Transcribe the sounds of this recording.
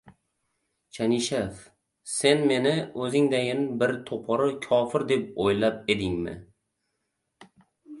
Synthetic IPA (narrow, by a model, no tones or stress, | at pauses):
t͡ʃʰaniʃef | se̞nme̞nɪɵzɪŋd̪ajɪnɪbɪɾt̪ʰopʰɒɾɪkʲʰɒfɪɾd̪e̞p̚ojlap̚e̞d̪ɪŋmɪ̰